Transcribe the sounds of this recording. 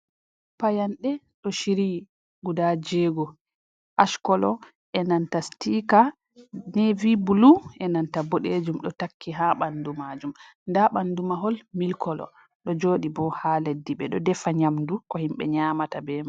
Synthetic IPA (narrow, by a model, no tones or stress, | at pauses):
pajanɗɛ | ɗɔʃiɾi | ɡudad͡ʒɛɡɔ | ʔaʃkɔlɔ | ʔɛnantastika | nɛvibuluʔɛnantaboɗed͡ʒumɗɔtakʰːiɦaɓandumad͡ʒum | ndaɓandumaɦɔlmilkʰɔlɔ̰ | ɗɔd͡ʒoːɗibɔhaledːiɓɛɗɔdɛfaɲamdukɔhimɓɛ̰ɲamatabɛma